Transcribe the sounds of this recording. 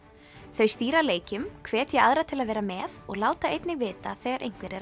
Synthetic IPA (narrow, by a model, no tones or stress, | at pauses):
θœɥst̪iːɾaleːjcʏmkʰv̥ɛːt̪jɛaðɾat̪ʰɪlaðvɛːɾamɛːðɔɣlaːwt̪aejt̪nɪɣvɪːt̪aθɛːɣaɾʔejŋ̥kvɪɾɛɾ